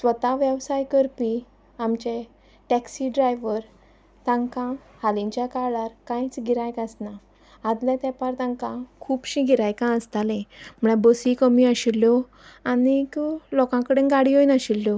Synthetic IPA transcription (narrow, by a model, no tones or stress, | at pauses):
sʋət̪aʋjəʋsajkəɾpi | amt͡ɕe | ʈɛksiɖɾajʋəɾ | t̪ãŋkã | halĩɲt͡ɕjakaɭaɾkãjt͡sɡʱiɾajkasnaː | d̪lãt̪ɛpaɾt̪ãŋkãkʰuːpɕĩɡʱiɾajkãəst̪alɛ̃m̤əɽ̃ɛbəsikəmiaɕilːjɔ | aniklɔkãkəɽeɡaɽiɦojnaɕilːjɔ